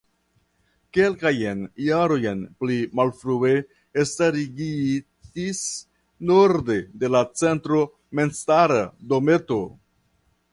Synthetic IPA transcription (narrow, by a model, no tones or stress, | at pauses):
ke̞lkajenjaɾo̞jenplimalfɾue̞ | estaɾiɡitis | noɾde̞de̞lat͡se̞ntɾo̞ | menstaɾado̞me̞to̞